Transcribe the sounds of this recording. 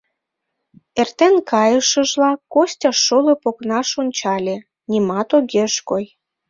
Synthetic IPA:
ert̪enkɑjəʃə̆ʒlɑkosʲtʲɑʃːolopoknɑʃonʲt͡ɕɑlʲe | nʲimɑt̪oɣeʃkoj

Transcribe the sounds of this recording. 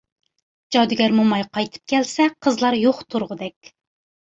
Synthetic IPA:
d͡ʒɑd̪ɨɡʲæɾmumɑjqʰɑjt̪ʰɨ̥p̚kʲʰɛlsɛqʰəzlˠɑɾjoχt̪ʰuɾʁʊd̪ɛkʲ

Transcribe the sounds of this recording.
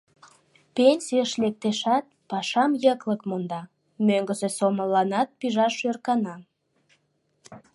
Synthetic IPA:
penʲsiəʃlek̚t̪eʃɑt̪̚pɑʃɑmjəkləkmond̪ɑ | møŋɡəsesoməlɑnɑt̪̚piʒɑʃørkɑnɑ

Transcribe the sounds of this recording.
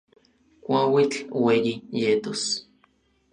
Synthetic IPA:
kʷawit͡ɬwejijet̪os

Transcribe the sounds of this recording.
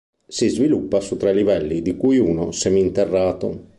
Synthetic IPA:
sizvilupːasut̪ːɾalivɛlːid̪ikuːjuːnosɛmint̪ɛrːaːt̪o̰

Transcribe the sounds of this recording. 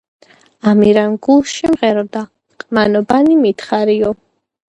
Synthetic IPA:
amiɾanɡulˠʃimʁɛɾɔd̪a | qʼmanɔbanimit̪χaɾiɔ

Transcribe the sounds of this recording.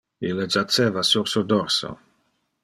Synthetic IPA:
ilːed͡ʒat͡seːvasuɾsud̪ɔɾso̰

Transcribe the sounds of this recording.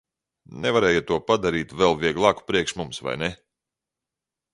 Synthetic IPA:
nɛvaɾɛːjat̪ːuɔpad̪aɾiːt̪vɛlˠvʲiɛɡlˠɑːku̥pɾiɛkʃmumsva̰jnɛ

